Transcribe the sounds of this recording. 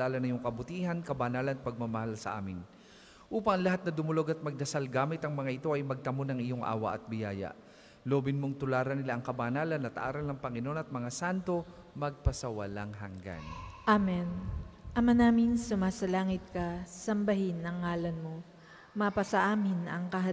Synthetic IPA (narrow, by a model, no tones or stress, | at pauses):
aːlɐnɐjoŋkɐbʊt̪iːhɐnkɐbɐnaːlɐnɐt̪̚pɐɡ̚mɐmɐhalsɐ̰ʔa̰ːmɪn | ʔuːpɐŋlɐɦat̪̚nɐd̪ʊmʊlo̞ɡɐt̪̚mɐɡ̚d̪ɐsalɡaːmɪt̪ɐŋmɐŋaʔɪt̪o̞ʔɐjmɐɡ̚t̪ɐmonɐŋɪjoŋʔa̰ːwɐ̰ʔɐt̪̚bɪjaːjɐ̰ | loːbɪnmoŋt̪ʊlaːɾɐnɪlaʔɐŋkɐbanaːlɐnɐt̪ʔa̰ːɾɐlnɐŋpɐŋɪno̞nɐt̪̚mɐŋasant̪o̞ | mɐɡ̚pɐsɐwɐlaŋɦɐŋɡa̰nʔamɛnʔɐmanaːmɪnsʊmaːsɐlaːŋɪt̪̚kɐsɐmbɐɦɪnːɐŋːaːlɐnmo | mapɐsɐʔaːmɪnʔɐ̰ŋkɐɦɐ